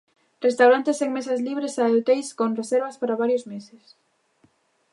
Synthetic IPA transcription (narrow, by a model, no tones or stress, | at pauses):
rest̪awɾant̪eseŋmesɐzliβ̞ɾesaewt̪ejskonreseɾβɐspaɾaβaɾjozmeses